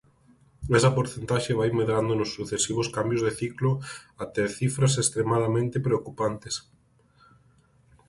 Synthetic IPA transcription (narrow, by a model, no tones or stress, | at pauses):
ɛsɐpoɾθent̪aʃeβajmeðɾand̪onosːuθesiβ̞oskambjozðeθikloat̪eθifɾasest̪ɾemaðamẽnt̪epɾeokupant̪es